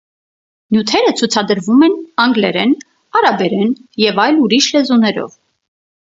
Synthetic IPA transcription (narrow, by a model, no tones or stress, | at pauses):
njut̪ʰɛɾət͡sʰut͡sʰɑd̪əɾvumɛnɑŋɡlɛɾɛn | ɑɾɑbɛɾɛnjɛvɑjluɾiʃlɛzunɛɾɔ̰v